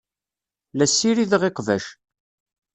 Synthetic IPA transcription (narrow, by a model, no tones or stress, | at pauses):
læsːiɾiðʁɪqvæ̰ʃ